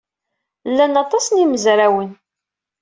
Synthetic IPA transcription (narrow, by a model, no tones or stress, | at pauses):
lːænɑt̪ˤɑsniməzɾæwən